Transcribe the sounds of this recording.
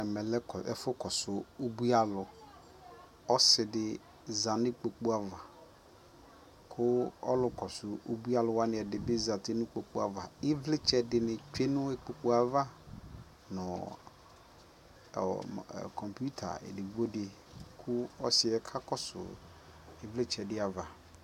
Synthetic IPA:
ɛ˨mɛ˨lɛ˦kɔ˨ɛ̰˨fʊ˦kɔ˨sʊ˨o˦bu˦a˦lʊ˨ | ɔ˦sɪ˨dɪ˦ | za˨nɪ̃˦k͡pe˨k͡pu˦a˨va˨ | kʰʊ˦ɔ˦lʊ˨kɔ˨sʊ˨u˦bu˦a˦lʊ˨wa˦nɪ̃˨ɛ˨dɪ˨bɪ˦za˨tʰɪ˦nʊ̃˦k͡po˨k͡pu˦a˨va̰˨ɪ˦vlɪ˦t͡ʃɛ˦dɪ˨nɪ̃˨t͡ʃᶣe˦nʊ̃˦e˦k͡po˨k͡po˦a˨va˦ | nʊ̃˨ | kʰɔ˨mpu˦tʰa̰˨ɛ̰˨dɪ˨vo˦dɪ˨ | kʰʊ˦ɔ˦sɪ˨ɛ˦kʰa˦kɔ˦sʊ̰˨ | ɪ˨vlɪ˦t͡ʃɛ˨dɪ˦a˨va˨

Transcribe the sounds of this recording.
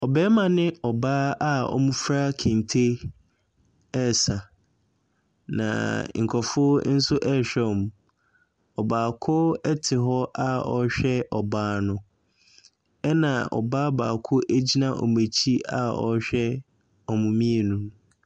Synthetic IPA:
ɔ˨bɛː˦mã˨nɪ̃˦ɔ˨baː˦a˦ɔ̰˦mʊ̃˦fɾa˦kʰɪ̃˨n˨tʰe˦ | ɛ˦˨sa˨ | nã̰˨ŋ̩˨kʰɔ˨fʊ˦n̩˦sʊ˦ʔɛ˦ɕᶣɛ˦˨m˨ | ɔ˨baː˨kʰʊ˦ɛ˦tʰɪ˨ɦɔ˦ʔa˦ɔ˨ɕᶣɛ˦ʔɔ˨baː˦nʊ̃˦ | ɛ˦nã˨ɔ̰˨baː˦baː˨kʰʊ˦ʔæ˦d͡ʑi˦nã˦ʔɔ̰˨m˨e˨t͡ɕʰi˦a˦ɔ̰˦ɕᶣɛ˦ | ɔ˨mʊ̃˨mĩ˦e˨nũ˦m

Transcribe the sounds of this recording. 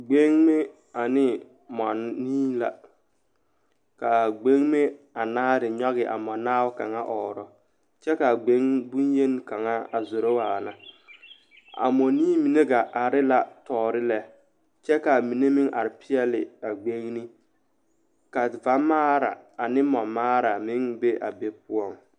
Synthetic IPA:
ɡ͡be˦ŋme˦ | a˨nɪ˦ | mɔ˨nːiː˦la̰˨ | ka˨ɡ͡be˦ŋme˦ | a˨naː˦ɾɪ˨ɲɔ˦ɣɪ˨ʔa̰˨mɔ˨naː˦wka˨ŋa˦ʔɔː˨ɾɔ˨ | t͡ʃɛ˦ka˨ɡ͡be˦ŋbu˦nje˦n˦ka˨ŋa˦a˨zʊ˨ɾo˦waː˨la˨ | a̰˨mɔ˨niː˦mi˨ne˦ɡa˨ʔa˨ɾɪ˦la˨tɔː˨ɾɪ˦lɛ˨ | t͡ʃɛ˦ka˨mi˨ne˦mɪ˦ŋʔa̰˨ɾɪ˨pɪ˦ɛ˦lɪ˨a˨ɡ͡be˦ŋni˦ | ka˨va˨˦maː˦ɾa̰˨a˨nɪ˦mɔ˨maː˦ɾa˨mɪ˦ŋbe˦ʔa̰˨be˦p̚ʊ˦ɔ˦˨ŋ

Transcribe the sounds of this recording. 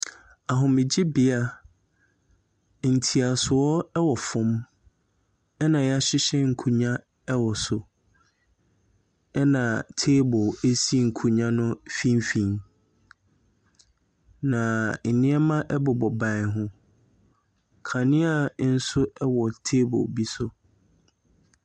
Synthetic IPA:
a˨ɦʊ̃˨mɪ̃˨d͡ʑɪ˦bɪ˦a˦ | n̩˨tʰi˨a˨sʊ˨ɔ˦ɛ˦wɔ˨fʊ̃˦m | ɛ˦nã˨jɛ˦a˦ɕɪ˦ɕɛ˦ŋ̩˨kʰu˦ɲã˦ | ɛ˦wɔ˨sʊ˨ | ɛ˦nã˨tʰeː˦bʊ˨e˦si˦˨ŋ̩˨kʰu˨˦ɲã˦nʊ̃˦fĩ˦mfĩ˦˨n | nã˨nɪ̃˦ɛ˦mã˦ʔɛ˦bʊ˨bɔ˨bã˨ɦʊ̃˦ | kʰã˨nɪ̃˦a˨˦n̩˦sʊ˦ɛ˦wɔ˨tʰeː˦bɔ̰˨bi˦sʊ˦

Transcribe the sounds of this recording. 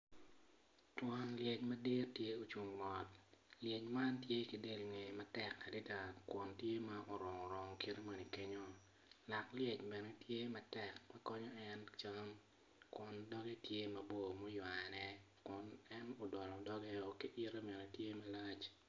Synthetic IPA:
twɔ˨nlje˨t͡ʃmɐ˦de˦tje˦o˨t͡ʃu˨ŋmɔ˨t̚ljɛ˨t͡ʃma˦ntje˦ki˨de˦lŋe˨ma˦tɛ˦kːa˨dɪ˦da˨kwɔ˨ntje˦ma˦ʔo˨ɾɔ˨ŋɔ˨ɾɔ˨ŋ˨ki˦ɾe˦ma˨ni˨ke˦ɲo˦ | la˨kljɛ˨t͡ʃbɛ˨ne˦tje˦mɐ˦tɛ˦kma˦kɔ˦ɲɔ˦ɛ˦nt͡ʃa˦m | kwɔ˨ndɔ˦ɡe˦tje˦mɐ˨bo˦mo˦jwa˨nɛ˦ | kʊ˨nɛ˦nɔ˨dɔ˨lɔ˨dɔ˦ɡɛ˦o˨ki˦ʔɪ˦ɾe˦mɛ˨nɛ˨tje˦mɐ˦la˦t͡ʃ

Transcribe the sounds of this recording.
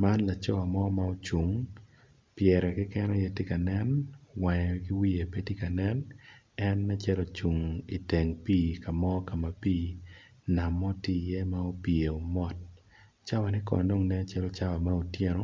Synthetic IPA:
ma˦nla˨t͡ʃɔ˦a˨mɔ˦ma˦o˦t͡ʃu˨ŋ | pjɛ˨ɾɛ˨kɪ˦kɛ˦nɔ˦je˦ti˦ka˨nɛ˦nwɛ˨ɲ˨ɡɪ˦wi˦je˨pe˦ti˦ka˨nɛ˦n | ɛ˦nːa˦t͡ʃɛ˦lɔ˨t͡ʃu˨ŋi˨te˨ŋpiː˦ka˨mɔ˦ka˨ma˨piː˦˨ | na˨mɔ˦ti˦˨je˦ma˦o˦pje˨o˨mɔ˦t̚ | t͡ʃa˦wa˨nɪ˦kɔ̰˨do˦ŋnɛ˦t͡ʃɛ˦lɔ˦t͡ʃa˦wa˨ma˦o˨tje˦ɾɔ˨

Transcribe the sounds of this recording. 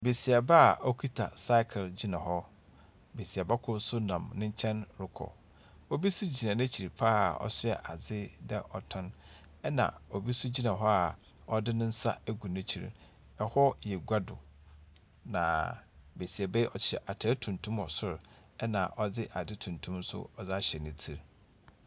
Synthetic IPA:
be˨si˨ɛ˨ba˦˨ɔ˦kʰi˦tʰa̰˨sa˦ɪ˦kʰɪ˨ld͡ʑi˦nã˨ɦɔ˦ | be˨si˨a˨ba˦kʰʊ˦sʊ˦nã˨mnɪ̃˦ɲ̩˦t͡ɕʰɛ̃˦nɾɪ˦kʰɔ̰˨ | o˦bi˦sʊ˦d͡ʑi˨nã˨nɛ̃˦t͡ɕʰi˨ɾi˨pʰa˦a̰˨ɔ̰˦sɪ˦ɛ˨ʔa˨d͡zɪ˦dɛ˦ʔɔ˨tʰɔ̃˦n | ɛ˦nã̰˨o˨bi˦sʊ˦d͡ʑi˦nã˨ɦɔ˦a˨ | ɔ˦dɪ˦nʊ̃˦n̩˦sa˦æ˦ɡu˨nɪ̃˦t͡ɕʰi˨ɾ̰ | ɛ˨hɔ˦jɛ˨ɡʷa˦dʊ̰˨ | nã˨be˨si˨ɛ˨be˦ʔɔ˨t͡ɕɪ̥˨˦ɕɛ˨ʔa˨tʰɪ˨ɛ˦tʰũ˨ntʰũ˦mɔ˨sʊ˦ɾ | ɛ˦nã̰˨ʔɔ˦dɪ˦ʔa˨d͡zɪ˦tʰũ˨ntʰũ˦msʊ̰˦ɔ˨d͡za˦ɕɛ˨nɪ̃˨tʰi˨ɾ

